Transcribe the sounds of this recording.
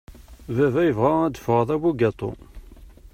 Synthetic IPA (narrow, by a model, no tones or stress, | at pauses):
vævæjəvʁææd̪əfəʁəðˤæwuɡɑt̪ˤo̰